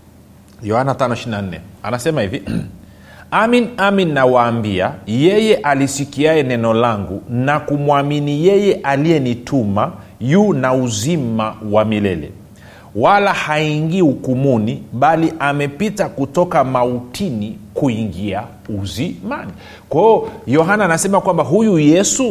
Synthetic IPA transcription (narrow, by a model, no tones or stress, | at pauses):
jɔhanatanɔiʃiɾinan̩nɛ̰anasɛmahivi | aminaminːawaːmbiajɛjɛʔalisikiaɛnɛnɔlaŋɡunakumwaminijɛjɛʔalijɛnitʰuma | juːnauzimawamilɛ̰lɛ̰ | walahaiŋɡiukumuniɓaliʔamɛpitakutɔkamautʰinikuiŋɡia | uzimani | kwaɔjɔɦanaːnasɛmakwambaɦujujɛsu